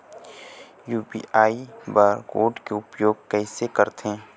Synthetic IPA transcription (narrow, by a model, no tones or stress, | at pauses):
juːbḭːʔaːibaɾkoːɖkeʊpjoːɡ̚kɛːsekəɾt̪ẽː